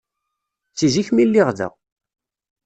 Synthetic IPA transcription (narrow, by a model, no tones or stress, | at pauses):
t͡sːiziçmilːiʁðə̰ʁ